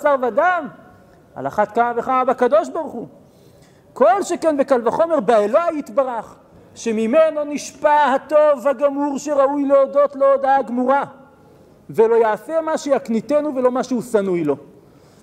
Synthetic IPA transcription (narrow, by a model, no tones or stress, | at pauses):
saʁvadam | a̰la̰χat̪̚kamaveχamabakad̪o̞ʃbaʁuχu | ko̞lʃekenvekalvaχo̞me̞ʁbaelajit̪baʁaχ | ʃe̞mimeno̞niʃpahat̪o̞vhaɡamuʁʃeʁaujleod̪o̞t̪loːd̪aaɡmuʁa | velo̞jaːse̞maʃejaknit̪e̞nuvelo̞maʃehusanujlo̞